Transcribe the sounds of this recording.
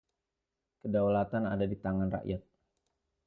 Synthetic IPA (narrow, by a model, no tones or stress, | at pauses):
kədawlat̪anadadit̪aŋanra̰ʔjat̪̚